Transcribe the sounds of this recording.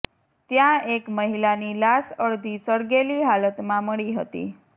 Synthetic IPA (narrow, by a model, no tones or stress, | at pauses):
t̪jãekməɦilanilasəɭd̪ʱisəɽɡeliɦalət̪mãməɭiɦət̪ḭ